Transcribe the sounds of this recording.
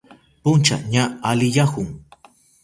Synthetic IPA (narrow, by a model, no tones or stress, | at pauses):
pʊnt͡ʃa̰ɲaalɪjahʊŋ